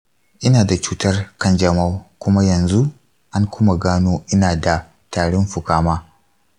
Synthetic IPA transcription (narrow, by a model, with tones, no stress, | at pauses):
ʔɪ˦naː˨da˨t͡ʃuː˦tɐ˦rkɐ˦nd͡ʒɐ˦˨ma˦wkʷʊ˦ma˦jɐ˨nzu˦ʔ | ʔa˦ŋkʷʊ˦ma˨ɡaː˦noː˦ʔɪ˦naː˨da˨ | taː˨ɽɪ˦mɸʊ˨kaː˦maː˦